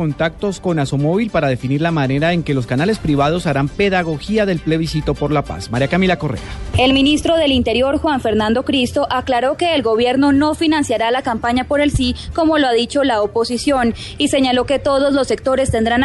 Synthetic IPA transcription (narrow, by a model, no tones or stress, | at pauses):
ont̪ak̚t̪o̞sko̞nasomo̞β̞ilpaɾaðe̞finiɾlamane̞ɾae̞ŋke̞lo̞skanale̞spɾiβað̞o̞saɾampe̞ðaɣo̞xiaðe̞lple̞βisit̪o̞po̞ɾlapa̰smaɾjakamilako̞rḛae̞lminist̪ɾo̞ðe̞lint̪e̞ɾjo̞ɾxwaɱfe̞ɾnãnd̪o̞kɾist̪o̞ʔaklaɾo̞ke̞ːlɡo̞βje̞ɾno̞no̞finãnsjaɾalakampaɲapo̞ɾe̞lsiko̞mo̞loaðit͡ʃo̞laopo̞sisjo̞n | ise̞ɲalo̞ke̞t̪o̞ðo̞zlo̞se̞k̚t̪o̞ɾe̞st̪e̞nd̪ɾan